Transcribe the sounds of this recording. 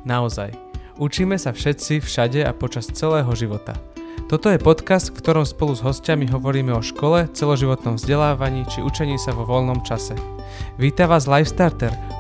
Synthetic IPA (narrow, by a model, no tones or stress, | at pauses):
naɔza̰j | ut͡ʃiːmɛsafʃɛt͡sifʃaɟɛa̰pɔt͡ʃast͡sɛlɛːɦɔʒiʋɔt̪a̰t̪ɔt̪ɔjɛpɔt̪kast̪kfkt̪ɔɾɔmspɔluzɦɔscamiɦɔʋɔɾiːmɛɔʃkɔlɛt͡sɛlɔʒiʋɔt̪nɔmvzɟɛlaːʋaɲiːt͡ʃiʔut͡ʃɛɲiːsaʋɔʋɔlnɔmt͡ʃasɛ | ʋiːt̪aʋaːzlajfst̪aɾt̪ɛɾ